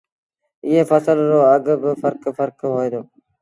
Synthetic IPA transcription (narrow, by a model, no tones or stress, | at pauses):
ɪɦeːfəsəlɾoːəɡbɪfəɾkfəɾkɦoːeːd̪oː